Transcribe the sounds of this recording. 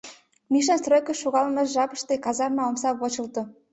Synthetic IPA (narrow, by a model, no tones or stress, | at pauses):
miʃ̬ɑnsrøkə̆ʃːoɣɑlmeʃʒɑpɤ̆ʃt̪ekɑzɑrmɑomsɑβot͡ɕɤ̆lt̪ŏ